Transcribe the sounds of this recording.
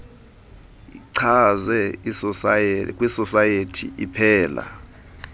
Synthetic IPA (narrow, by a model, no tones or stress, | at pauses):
iǀʰazɛ | kʼwisɔsajetʰḭʔipʰɛːla̰